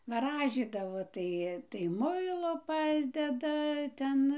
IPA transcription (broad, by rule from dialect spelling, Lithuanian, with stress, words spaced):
ʋɐˈrɑːʒʲiːdɐʋoː ˈtɐɪ tɐɪ ˈmʊɪlˠoː ˈpɑːzʲdʲɛdɐ ˈtʲɛn